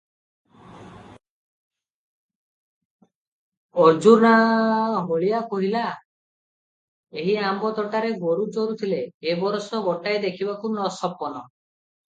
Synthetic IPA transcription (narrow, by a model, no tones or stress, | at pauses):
ɔd͡ʒuɾnaɦoɭiakɔɦila | eɦiambɔt̪ɔʈaɾeɡoɾut͡ʃɔɾut̪ʰileːbɔɾɔsɔɡɔʈajd̪ekʰibakunɔsɔpɔnɔ